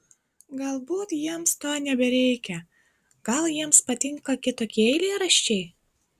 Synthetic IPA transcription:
ɡɐlˠbuːt̪jiɛmst̪oːnʲɛbʲɛɾʲɛɪkʲɛ | ɡ̥ɐlˠjiɛmspɐt̪ʲɪŋkɐkʲɪt̪oːkʲiɛɛɪlʲeɪɾɐʃʲt͡ʃʲɛɪ

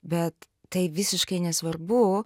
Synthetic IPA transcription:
bʲɛt̪ː | ɐɪʋʲɪsʲɪʃkɐɪnʲɛsʋɐrbʊ

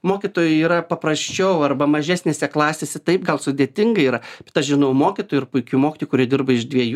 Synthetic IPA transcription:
moːkʲit̪oːjʊiːɾɐpɐpɾɐsʲt͡ʃʲɛʊɐrbɐmɐʒʲæːsʲnʲeːsʲɛklˠɑːsʲeːsʲɛt̪ɐɪp̚ɡɐlˠsʊd̪ʲeːt̪ʲɪŋɡɐiːɾɐb̥ʲɛt̪ɐʃʒʲɪnɐʊmoːkʲɪt̪oːjʊɪrpʊɪkʲumoːkʲɪt̪oːjkʊɾʲiɛdʲɪrbɐɪʒd̪ʲʋʲiɛju

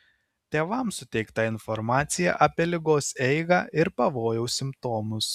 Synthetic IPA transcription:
t̪ʲeːʋɐˑmsʊt̪ʲɛɪkt̪ɐɪnfɔɾmɑːt̪sʲɪjɛ̰ʔɐpʲiɛlʲɪɡoːsɛɪɡɑːʔɪɾpɐʋoːjɛʊsʲɪmpt̪oːmʊs

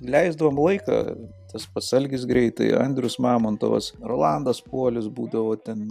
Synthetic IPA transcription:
lʲɛɪzd̪ɐʋoːmlˠɐɪkɑ̰ːt̪ɐspɐsɐlʲɡʲɪsɡɾʲɛɪt̪ɐ̰ɪɐ̰nʲd̪ʲɾʲʊsmɑːmoːnt̪o̰ʋɐ̰sroːlˠɑnd̪ɐspuɔlʲɪsbuːd̪ɐʋoːt̪ʲɛn

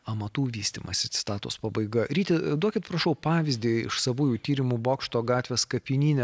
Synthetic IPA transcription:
ɐmɐt̪uːʋʲiːsʲt̪ʲiːmɐ̰sʲɪsʲɪ̥t̪ɑːt̪ʊ̰spɐbɐɪɡɐɾʲiːt̪ʲɛd̪uɔkʲɪt̪pɾɐʃɐʊpɑːʋʲɪzʲd̪ʲiɪ̰ʃsɐʋuːjuːt̪ʲiːɾʲɪmuboːkʃt̪oːɡɑːt̪ʲʋʲeskɐpʲinʲiːnʲɛ

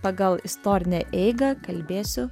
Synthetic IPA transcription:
pɐɡɐlˠɪst̪oːɾʲɪnʲɛʔɛɪɡɐkɐlʲbʲeːsʲʊ

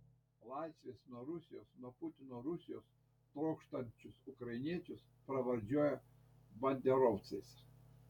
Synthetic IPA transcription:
lˠɑˑɪsʲʋʲesnuɔɾʊsʲɪjoːsnuɔpʊt̪ʲɪnoːɾʊsʲɪjoːs | t̪ɾɔʊkʃt̪ɐnʲt͡ʃʲʊsʊkɾɐɪnʲiɛt͡ʃʲʊs | pɾɐʋɐɾʲd͡ʒʲuɔjɛ | bɐnʲd̪ʲɛɾɔʊt̪sɐɪsʲ

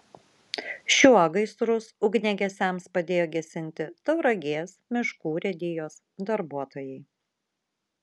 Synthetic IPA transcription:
ʃʲuɔɡɐɪst̪ɾʊsʊɡnʲɛɡʲɛsʲɛmspɐd̪ʲeːjoːɡʲɛsʲɪnʲˑt̪ʲɪt̪ɐʊɾɐɡʲeːsmʲɪʃkuːɾʲɛd̪ʲɪjoːs | d̪ɐɾbuɔt̪oːjɛɪ

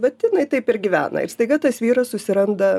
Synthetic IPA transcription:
ʋɐt̪ʲɪnɐɪt̪ɐɪpɪɾɡʲiʋʲæ̰ːnɐ̰ɪ̰ɾst̪ɐɪɡɐt̪ɐsʋʲiːɾɐssʊsʲɪɾɐnd̪ɐ

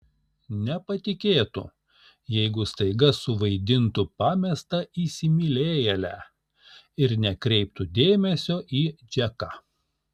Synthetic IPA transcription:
nʲɛpɐt̪ʲɪkʲeːt̪ʊ̰ | jɛɪɡʊst̪ɐɪɡɐsʊʋɐɪd̪ʲɪnt̪ʊpɑːmʲɛst̪ɐisʲɪmʲɪlʲeːjɛlʲæː | ɪɾnʲɛkɾʲɛɪp̚t̪ʊd̪ʲeːmʲɛsʲoːʔiːd͡ʒʲɛkɑ

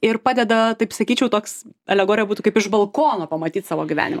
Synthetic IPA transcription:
ɪrpɑːd̪ʲɛd̪ɐt̪ɐɪpsɐkʲiːt͡ʃʲɛʊt̪oːksɐ̰lʲɛɡoːɾʲɪjɛbuːt̪ukɐɪpɪʒbɐlˠkoːnoːpɐmɐt̪ʲiːt̪sɑːʋoːɡʲiʋʲæ̰ːnʲɪmɐ

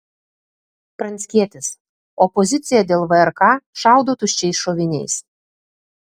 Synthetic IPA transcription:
pɾɐnʲsʲkʲiɛt̪ʲɪs | ɔpɔzʲɪt̪sʲɪjɛd̪ʲeːlˠʋɐɛɾkɑːʃɑˑʊd̪oːt̪ʊʃʲt͡ʃʲɛɪsʃoːʋʲɪnʲɛ̰ɪs

